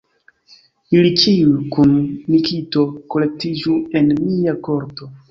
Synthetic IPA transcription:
ilit͡ʃiukunmikito̞ko̞le̞k̚tid͡ʒue̞nmiako̞ɾto̞

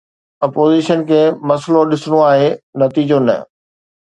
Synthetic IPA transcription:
ɐpoːziːʃənkʰeːmɐsloɗɪsɽ̃oaːɦenɐt̪iːd͡ʑonɐ̰

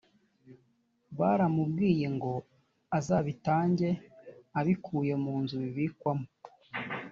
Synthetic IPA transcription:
βaɾamub̚ɡiːje̞ŋɡo̞ | azaːβitaːɲɟe̞aβikʰuːje̞muːnzuβiβikwamo

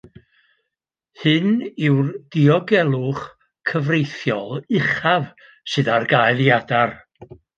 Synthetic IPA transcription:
hɨnɪwrd̥iɔɡɛlˠʊχ | kʰəvrejθjɔlˠɪχav | sɨðarɡajlˠjadar

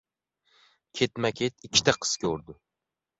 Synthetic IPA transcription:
kʲʰe̞t̪makʲʰet̪ɪkʲʰːɪ̥t̪ʰaqʰɨ̥skʲɵɾd̪ɪ

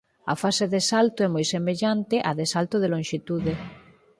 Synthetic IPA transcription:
ɐ̰faseðesalt̪ʊɛmojsemeʎant̪ɪʔaðesalt̪oðelõŋʃit̪uðe

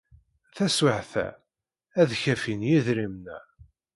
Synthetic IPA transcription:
θæswəʕθæ̰ | æðçæfinjiðɾimnæ

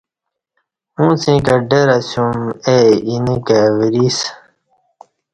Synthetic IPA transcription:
ũːt͡sĩkɐɖeɾasumeinikawiɾis

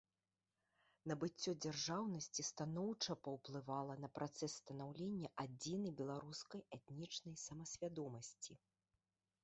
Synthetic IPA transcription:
nɐbɨt͡sʲːɔd͡zʲarʐawnɐsʲt͡sʲist̪anɔwt͡ʂɐpɐwplˠɨvalˠɐnɐpɾʔat̪sɛsːt̪ɐnawlʲenʲːɐʔad͡zʲinɐjbʲɛlˠaɾuskɐjɛt̪nʲit͡ʂnɐjsɐmɐsʲvʲad̪ɔmɐsʲt͡sʲi

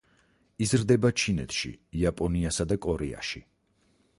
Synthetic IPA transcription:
izɾd̪ɛbat͡ʃʰinɛt̪ʰʃḭiapʼɔniasad̪akʼɔɾɛa̰ʃi

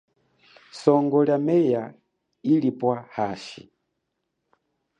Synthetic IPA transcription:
sɔŋɡɔljamɛja | ilipwahaːʃḭ

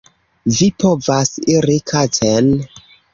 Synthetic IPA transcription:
vipovasiɾikʰaten

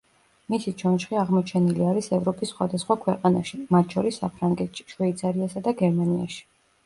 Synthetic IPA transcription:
misit͡ʃʰɔnʃχiaʁmɔt͡ʃʰɛniliaɾisɛvɾɔpʼisːχwa̰d̪asχwakʰwɛqʼanaʃimat̪ʰʃɔɾisːapʰɾaŋɡɛt̪ʃi̥ʃvɛit̪sʰaɾiasad̪aɡɛɾmania̰ʃi̥

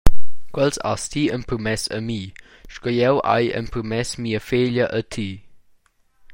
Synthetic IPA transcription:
kwɛlsa̰st̪ʰiəmpɾmɛsə̰mi | ʃkɔjɛwʔa̰jə̰npɾmɛsmiːəfeːʎɐʔət̪ʰi

